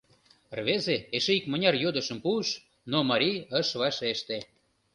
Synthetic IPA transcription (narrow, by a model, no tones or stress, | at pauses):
rβezeeʃeikmə̆nʲɑrjod̪ə̆ʃəmpuəʃ | nomɑɾʲiəʃβɑʃeʃt̪e